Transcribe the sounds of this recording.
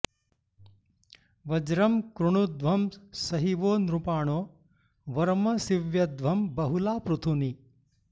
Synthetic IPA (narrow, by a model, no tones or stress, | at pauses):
ʋɐd͡ʒɾɐmkɾuɳ̃ud̪ʋʱɐmsɐɦiʋoːnɾupaːɳoː | ʋɐɾmɐsiʋjɐd̪ʋɐmbɐɦulaːpɾut̪ʰuni